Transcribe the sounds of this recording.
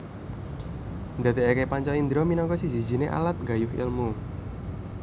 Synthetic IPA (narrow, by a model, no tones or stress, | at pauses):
nd̪a̤t̪iakepaɲt͡ʃɔind̪ɾɔminɔŋkɔsi̥d͡ʒi̤d͡ʒi̤neʔa̰lat̪̚ɡa̤jʊhɪ̰lmu